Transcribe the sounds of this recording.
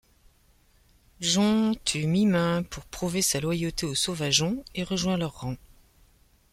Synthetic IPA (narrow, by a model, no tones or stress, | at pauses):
ʒɔ̃t̪ʰymimɛ̃pʰuʁpχuvesalwajot̪eosovaʒɔ̃eʁəʒwɛ̃lœʁːɑ̃